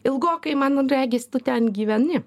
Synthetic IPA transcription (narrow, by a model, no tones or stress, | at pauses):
ɪlˠɡoːkɐɪmɐnrʲæːɡʲeːsʲt̪ʊt̪ʲɛnɡʲiːʋʲɛnʲɪ